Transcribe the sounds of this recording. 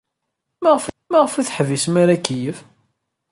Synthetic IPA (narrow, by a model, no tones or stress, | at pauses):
maʁf | maʁfiθħvismaɾækːijəf